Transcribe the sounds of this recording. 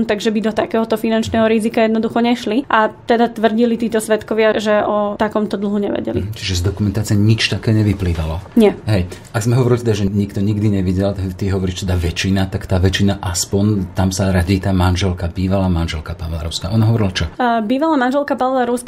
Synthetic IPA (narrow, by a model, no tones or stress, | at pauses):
mt̪aɡʒɛbid̪ɔt̪akɛːɦɔt̪ɔfinant͡ʃnɛːɦɔɾizikajɛd̪nɔd̪uxɔɲɛʃliʔat̪ɛd̪at̪ʋr̩ɟilit̪iːt̪ɔsʋɛt̪kɔʋɪaʒɛʔɔt̪akɔmt̪ɔd̪l̩ˠɦuɲɛ̰ʋɛ̰ɟɛ̰lḭt͡ʃiʒɛzd̪ɔkumɛnt̪aːt͡siɛɲit͡ʃt̪akɛːɲɛʋipliːʋalɔɲɛɦɛjʔaɡzmɛɦɔʋɔɾilit̪ɛd̪aʒɛɲikt̪ɔɲiɡd̪iɲɛʋiɟɛlt̪akt̪iɦɔʋɔɾiːʃt̪ɛd̪aʋɛt͡ʃinat̪akt̪aːʋɛt͡ʃinaʔaspɔnt̪amsaɾaɟit̪aːmanʒɛlkabiːʋalaːmanʒɛlkapaʋlaɾɔ̰ʊskaːʔɔnaɦɔʋɔɾilat͡ʃɔbiːʋalaːmanʒɛlkapaʋlaɾɔʊsk